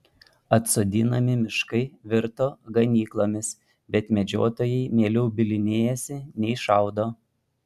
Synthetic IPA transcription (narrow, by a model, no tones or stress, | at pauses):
ɐt̪soːd̪ʲiːnɐmʲɪmʲɪʃkɐɪʋʲɪɾt̪oːɡɐnʲiːklˠoːmʲɪs | bʲɛt̪mʲɛd͡ʒʲo̰ːt̪oːjɛɪmʲeːlʲɛʊbʲɪlʲɪnʲeːjɛsʲɪnʲɛɪʃɑˑʊd̪oː